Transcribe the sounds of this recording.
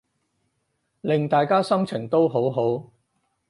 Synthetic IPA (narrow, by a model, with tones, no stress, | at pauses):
lɪ˨ŋt̪aː˨jkaː˥sɐ˥mt͡sʰɪ˨˩ŋt̪o˥wɦo˨˥wɦo˨˥w